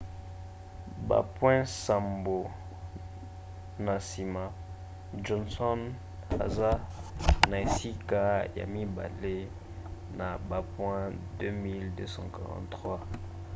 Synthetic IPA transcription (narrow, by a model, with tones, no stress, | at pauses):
ba̰˨pwɛ̃˦sa˨mbo˨ | na˨si˨ma˨ | d͡ʒɔ˨nsɔ˦n | a̰˨za˦na˨e˨si˦ka˦ja̰˨mi˦ba̰˨le˦ | na˨ba˨pwɛ̃˦dø˦mi˦ldø˦sɑ̰̃˦ka˨ʁɑ̰̃˨ntχwa˦